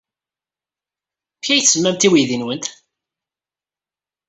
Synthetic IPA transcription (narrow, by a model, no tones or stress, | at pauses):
pçæjθsəzmːæmt̪iwiðinwənt̪